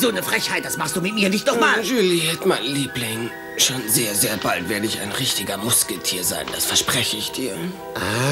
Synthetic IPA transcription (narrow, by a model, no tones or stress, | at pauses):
zoːnəfʁ̥ɛçhaɪt̚d̥asmaχstd̥uːmɪt̚miːɐnɪçt̚nɔχmaːnʒyːlihɛtmaɪnliːplɪŋ | ʃoːnzeːɐzeːɐbaltv̥eːɐɾəɪça̰ɪnʁɪçtɪɡɐmʊskl̩tʰḭːɐza̰ɪnd̥asfɛɐʃpʁ̥ɛçəɪçd̥iːɐ | a